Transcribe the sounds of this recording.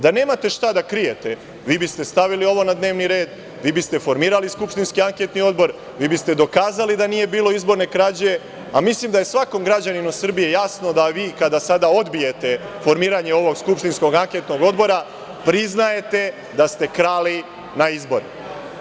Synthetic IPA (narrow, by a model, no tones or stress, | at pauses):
d̪ane̞ːmat̪e̞ʃt̪ad̪akɾije̞t̪e̞ | ʋiːbist̪e̞st̪aʋilio̞ʋo̞nad̪ne̞ːʋniɾe̞ːd̪ | ʋiːbist̪e̞fo̞ɾmiːɾaliskupʃt̪inskiaŋket̪nio̞d̪bo̞ɾ | ʋiːbist̪e̞d̪o̞kaːzalid̪anije̞biːlˠo̞izbo̞ɾne̞kɾad͡ʑe̞ | amislimd̪aje̞sʋako̞mɡɾad͡ʑaninusr̩bije̞jasno̞d̪aʋiːkad̪asad̪ao̞d̪bije̞t̪e̞fo̞ɾmiːɾaɲeo̞ʋo̞ɡskupʃt̪insko̞ɡaŋke̞t̪no̞ɡo̞d̪bo̞ɾa | pɾiznaje̞t̪e̞ | d̪ast̪e̞kɾaːli | naizbo̞ɾe